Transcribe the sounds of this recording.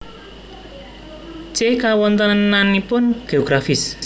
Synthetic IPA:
t͡ʃekawɔnt̪ənananipʊnɡ̥eoɡ̥ɾafɪs

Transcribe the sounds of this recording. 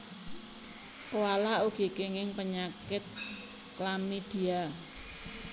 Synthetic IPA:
kowalauɡ̥i̤kɪŋɪŋpəɲakɪt̪̚ | klamid̪̥i̤a

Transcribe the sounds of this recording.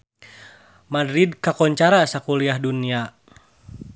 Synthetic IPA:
madɾid̚kakɔɲt͡ʃaɾasakuliaɦdunia

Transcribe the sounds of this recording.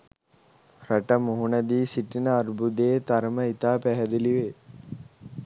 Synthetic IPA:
ɾɐʈɐmuɦuɳɐd̪iːsiʈːinɐːɾbud̪eːt̪ɐɾmɐit̪aːpɛɦɐd̪iliʋeː

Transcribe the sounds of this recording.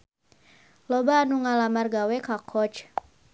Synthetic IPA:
lɔbaːnuŋalamarɡawɛkakʰɔt͡ʃ

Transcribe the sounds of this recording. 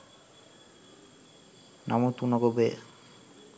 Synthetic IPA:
na̰mut̪unoɡobe

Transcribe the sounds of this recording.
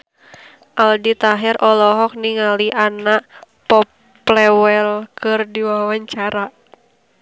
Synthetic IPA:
ʔaldit̪aɦɛrʔɔlɔɦɔk̚niŋaliʔanaʔpɔpː | lɛwɛlkɨrdiwawaɲt͡ʃaɾa

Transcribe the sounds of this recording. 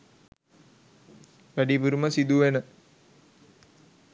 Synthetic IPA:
ʋæɖipuɾuməsid̪uʋenə

